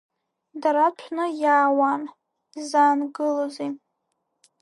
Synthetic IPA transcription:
daɾat͡ʃʷʰnɨjaːwan | zaːnɡɨlozi

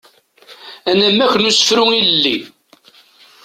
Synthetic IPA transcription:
ænæmːæçnusə̥fɾʊilːi

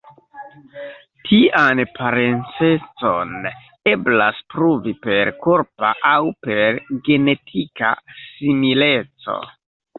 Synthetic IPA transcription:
tʰiʔanpʰaɾe̞nt͡se̞t͡so̞n | e̞blaspɾuvipe̞ɾkoɾpa̰ʔawpe̞ɾɡe̞ne̞tʰika̰simile̞t͡so̞̰

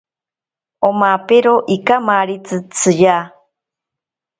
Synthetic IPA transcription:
omapeɾoʔikamaɾit͡sɨt͡sʰɨja

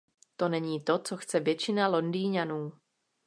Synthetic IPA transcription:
t̪o̞nɛɲiːt̪o̞t͡so̞xt͡sɛvjɛt͡ʃɪnalo̞ndiːɲanuː

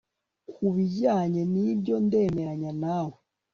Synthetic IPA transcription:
kuβiɟaɲɛnibjɔndɛmɛaɲanawɛ

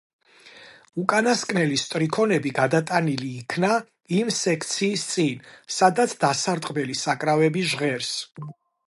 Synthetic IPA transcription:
ukʼanaskʼnɛlist̪ʼɾikʰɔnɛbiɡad̪at̪ʼaniliːkʰna | imsɛkʰt̪sʰiːst̪sʼinsad̪at̪sʰd̪asaɾt̪ʼqʼbɛlisakʼɾavɛbiʒʁɛɾs

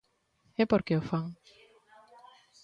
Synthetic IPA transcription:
ɛpoɾkeofaŋ

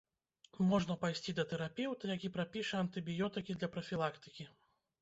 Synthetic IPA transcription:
mɔʐnɐpajsʲt͡sʲid̪ɐt̪ɛɾapʲɛwt̪ɐjakʲipɾapʲiʂɐɐnt̪ɨbʲijɔt̪ɨkʲid̪lʲɐpɾɐfʲilˠakt̪ɨ̥kʲi

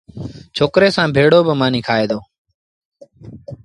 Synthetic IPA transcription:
t͡ʃʰoːkɾeːsãːbʱeːɽoːbəmãːniːkʰaːeːd̪ʱoː

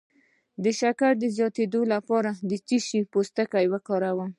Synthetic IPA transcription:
d̪əʃakaɾd̪əzjɑt̪ed̪olapɑɾad̪ət͡ʃiʃipost̪akajwəkɑɾawəm

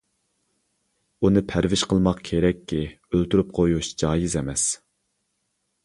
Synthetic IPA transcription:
unɨpʰæɾvɪʃqʰəlˠmɑqkʲʰeɾɛkʲʰːi | ølt̪ɾyp̚qʰojuʃd͡ʒɑːjizɛmɛs

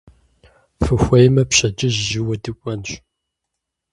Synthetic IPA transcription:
fɨxʷɐjmɐpɕɐd͡ʒɪʑʒɪwɐdɨkʷʼɐnɕ

